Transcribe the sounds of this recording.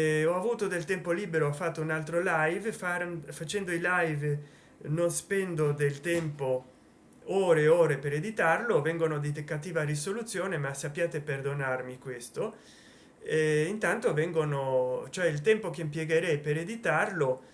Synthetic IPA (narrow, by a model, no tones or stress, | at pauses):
ɔavuːt̪od̪elt̪ɛmpoliːbeɾoafːat̪ːounalt̪ɾolajvfafat͡ʃɛnd̪oilajv | nonspɛnd̪od̪elt̪ɛmpo | oːɾeoːɾepeɾed̪it̪arlovɛŋɡonod̪it̪ekːat̪iːvarisolut̪sːjoːnemasapːjaːt̪eperd̪onarmikwest̪o | ɛint̪ant̪ovɛŋɡonot͡ʃoɛilt̪ɛmpok̟empjeɡeɾɛjpeɾed̪it̪arlo